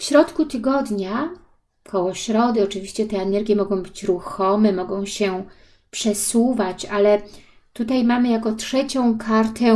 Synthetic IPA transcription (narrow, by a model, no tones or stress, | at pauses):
fɕɾɔt̪kut̪ɘɡɔd̪ɲa | kʰɔwɔɕɾɔd̪ɘɔt͡ʂɘvʲiɕt͡ɕɛt̪ɛːnɛɾɡʲjɛmɔɡɔ̃w̃bɘt͡ɕɾuxɔmɛmɔɡɔ̃w̃ɕɛ | pʂɛsuvat͡ɕalɛ | t̪ut̪ajmamɘjakɔtʂɛt͡ɕɔ̃w̃kʰaɾt̪ɛ